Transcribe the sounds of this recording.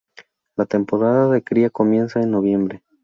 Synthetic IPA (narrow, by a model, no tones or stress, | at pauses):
lat̪e̞mpo̞ɾaðaðe̞kɾiako̞mje̞nsaenːo̞β̞je̞mbɾe̞